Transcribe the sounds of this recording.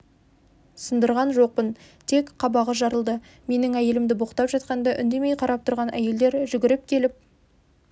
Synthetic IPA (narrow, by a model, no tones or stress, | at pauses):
sənd̪əɾʁɑnʒo̞q̚pənt̪ʰe̞kqʰɑbɑʁəʒɑɾəlˠd̪ə | me̞nɪŋæje̞lɪmd̪ɪboqə̥t̪ɑpʒɑt̪̚qɑnd̪ɑʔʏnd̪e̞me̞jqʰɑɾʔɑp̚t̪ʰʊɾʁɑnæ̰je̞ld̪e̞ɾʒʏɡʲɪɾɪp̚kʲʰe̞lɪp̚